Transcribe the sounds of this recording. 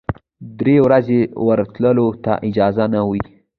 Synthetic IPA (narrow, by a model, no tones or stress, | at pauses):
d̪ɾewɾazewəɾt̪ləlot̪a̰ʔɪd͡ʒɑzanawi